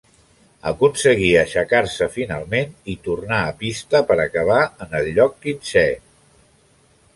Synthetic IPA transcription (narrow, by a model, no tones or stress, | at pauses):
ə̰kunsəɣ̞iəʃəkaɾsəfinalˠmenit̪urnaəpist̪əpəɾəkəβ̞aənəlʎːɔk̚ːinsɛ